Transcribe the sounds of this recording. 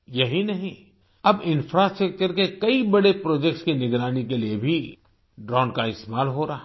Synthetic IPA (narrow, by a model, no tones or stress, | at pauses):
jɐɦinɐɦĩ | ɐbɪ̃nfɾasʈɾək̚t͡ʃəɾkekɐibɐɽepɾoːd͡ʒɛk̚ʈskinɪɡɾaːnikeliebʱi | ɖɾɔ̃ːnkaɪst̪emaːlɦoɾa